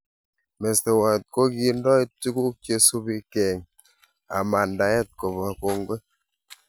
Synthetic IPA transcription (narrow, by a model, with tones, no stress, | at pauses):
mɛ˨ste˨wa˨t̚ko˦ki˦n˦dɔ˦e˦ti˦ku˦k̚t͡ʃe˦su˦bi˦kɛ˨ŋ | a̰˨ma˨nda˨˦ɛ˦˨t̚ko˨ma˨ko˦ŋɡwe˦